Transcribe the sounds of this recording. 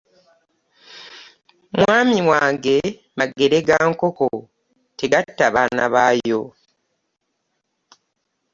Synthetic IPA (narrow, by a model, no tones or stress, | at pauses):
mwaːmiwaːŋɡe̞ | maɡeɾeɡaːŋkoko | te̞ɡatːaβaːna̰βaːjo